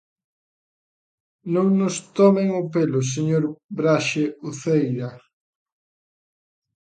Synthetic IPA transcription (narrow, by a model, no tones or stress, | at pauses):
nõŋnʊst̪ɔmeŋʊpelʊs̬eɲoɾbɾaʃeuθejɾa